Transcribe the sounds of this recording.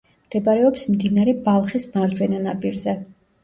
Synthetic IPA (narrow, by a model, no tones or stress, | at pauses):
md̪̥ɛbaɾɛɔpsmd̪inaɾɛbalˠχismaɾd͡ʒwɛnanapʼiɾzɛ